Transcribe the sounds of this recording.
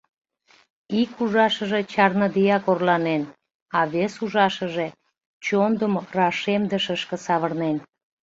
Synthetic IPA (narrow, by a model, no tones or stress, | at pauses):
ikuʒɑʃəʒe̽t͡ɕɑrnəd̪ijɑkorlɑnen | ɑβesuʒɑʃəʒe̽ | t͡ɕond̪əmrɑʃemd̪əʃəʃkə̆sɑβərnen